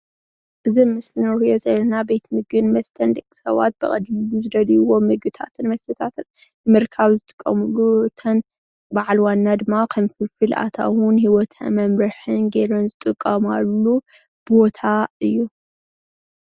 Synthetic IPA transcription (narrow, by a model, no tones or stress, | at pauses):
ʔɨzinmɨslɨnɾhujozɐlɐnabe̞t̪ʰmɨɡɨnmɐst̪ʰɐnd̪ɐkʼi̥sɐ̰βa̰t̪̚b̥ɨχʼɐ̰d̪miluzɨd̪ɐliwo̞mɨɡɨt̪ʰa̰t̪ʰɨnmɐst̪ʰɐt̪ʰat̪ʰɨn | ɨmɨɾkʰaβzɨt̪ʼɨ̥kʼːɐ̰mulːut̪ʰɐn | baʕalwanːad̪ɨmːakʰɐmfɨlfɨlʔa̰t̪ʰa̰wʊnhiwɔt̪ʰɐ̰nmɐmɾɨħɨnɡeɾɨnzɨt̪ʼɨkʼːɐmalːu | bo̞t̪ʰaɨjːu